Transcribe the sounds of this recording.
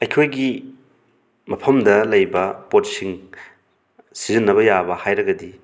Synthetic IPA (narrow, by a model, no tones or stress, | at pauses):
ɐjkʰojɡi | mɐpʰɐmdɐlɐjbɐpotsiŋ | sizinːɐβɐjabɐhajɾɐɡɐdi